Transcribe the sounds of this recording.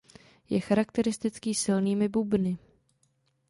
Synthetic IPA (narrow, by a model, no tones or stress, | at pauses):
jɛxaɾakt̪ɛɾɪst̪ɪt͡skiːsɪlniːmɪbubnɪ